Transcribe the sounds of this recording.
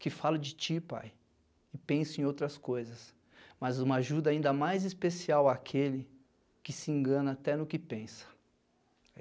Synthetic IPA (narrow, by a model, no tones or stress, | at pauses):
kɪfalʊd͡ʒɪt͡ʃipa̰j | ɪpẽsʊẽj̃owt̪ɾɐskojzɐs | mɐzũmɐaʒud̪ɐaĩnd̪ɐmajzɪspesiawaːkʰelɪ | kɪsɪẽŋɡɐ̃nɐat̪ɛnʊkɪpẽsɐ̥